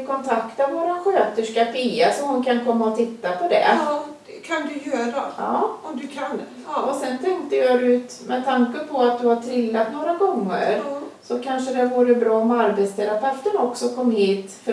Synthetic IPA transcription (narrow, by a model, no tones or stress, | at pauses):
kʰɔnt̪ʰakt̪avoːɾanɧøːt̪əʂkafiːasɔmhʊnkʰankʰɔmːaɔt̪ʰɪt̪ːapʰɔd̪ɛ̰ | kʰand̪ɵjøːɾaɑːɔd̪ɵkʰand̪ | ɔsɛnt̪ʰɛŋk̚t̪əjɑd̪ʉ̟ːt̪mɛt̪ʰaŋkəpʰɔat̪̚d̪ɵhaʈʰɾɪlːat̪noːɾaɡɔŋːə̰ɾsɔkʰanʂəd̪ɛavuːɾəbɾɑːmɛaɾbɛt̪st̪ʰɛɾapʰɛft̪ənɔksɔkʰɔmːhiːt̪fœ